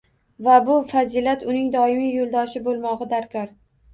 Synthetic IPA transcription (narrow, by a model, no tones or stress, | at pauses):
vabʊfazilat̪ʊnɪŋd̪ɒɪmijolˠd̪ɒʃɪbolˠmɒʁɨd̪aɾkʰɒɾ